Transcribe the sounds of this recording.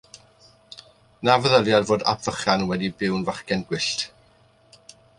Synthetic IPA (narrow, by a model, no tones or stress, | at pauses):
navəðəlˠjadvoːda̰pʰv̥əχanwɛdibɪwnvaχkɛnɡwɪɬt